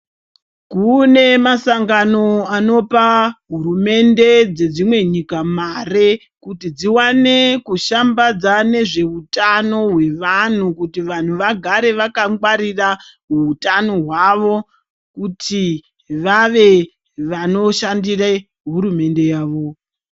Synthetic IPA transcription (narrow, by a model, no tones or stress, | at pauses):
kune̞masaŋɡano̞ano̞paɦuɾume̞nde̞d͡ze̞d͡zimwe̞ɲikamare̞ | kutid͡ziwane̞kuʃambad͡zane̞ʐe̞utano̞ɦwe̞ʋan̤ukutiʋan̤uʋaɡʱaɾe̞ʋakaŋɡwaɾiraɦuutano̞ɦwaʋo̞ | kutʰi | ʋaʋe̞ | ʋano̞ʃandira | ɦuɾume̞nde̞jaːʋo